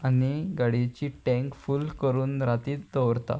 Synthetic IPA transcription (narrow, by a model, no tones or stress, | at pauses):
aniɡaɽit͡ɕiːʈɛ̃ŋkfuːlkəɾuːnɾat̪iːd̪əʋɾt̪a̰